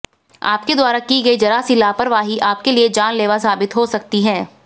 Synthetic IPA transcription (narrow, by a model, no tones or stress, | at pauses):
a̰ːp̚ked̪waːɾakiɡɐid͡ʒɐɾasilaːpɐɾʋaːɦiʔaːp̚kelied͡ʒaːnleːʋas̬aːbɪt̪ɦosɐk̚t̪iɦɛ̃ː